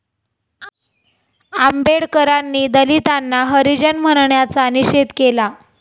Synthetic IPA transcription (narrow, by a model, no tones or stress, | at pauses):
ambeɽkəɾanːiːd̪əlit̪anːaɦəɾid͡ʑənm̤əɽɳjat͡saəniɕet̪kela